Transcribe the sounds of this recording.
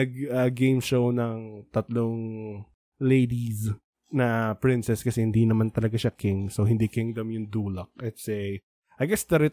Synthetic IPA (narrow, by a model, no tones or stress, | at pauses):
ɐɡɐɡejmʃownɐŋt̪ɐt̪loŋ | lejd̪is | nɐpɹɪnsɛskɐsɛhɪnd̪iːnɐmant̪ɐlɐɡaʃakɪŋsowhɪnd̪ikɪŋd̪ɐmjʊŋd̪uːlɐk̚ʔɛt̪sɛ | ʔɐjɡɛsd̪ɐɾɪ